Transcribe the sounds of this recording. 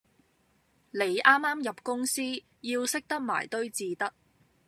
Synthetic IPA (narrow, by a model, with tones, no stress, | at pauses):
le˨˧jʔaː˥mːaː˥mjɐ˨p̚kʊ˥ŋsiː˥ | jiː˧wsɪ˥k̚t̪ɐ˥k̚ma̰ː˨˩jt̪ɵ˥ɥt͡siː˨˧t̪ɐ˥k̚